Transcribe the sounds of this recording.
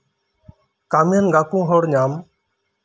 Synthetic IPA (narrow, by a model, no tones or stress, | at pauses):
kaːmijənɡaːkũːɦoːɽɲaːm